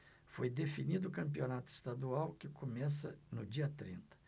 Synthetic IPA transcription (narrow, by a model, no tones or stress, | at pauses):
fojd̪efinid̪ʊːkɐ̃mpionat̪ʊɪ̥st̪ad̪uawkɪkomɛs̬ɐnʊd͡ʒiɐt̪ɾḭ̃nt̪ɐ̥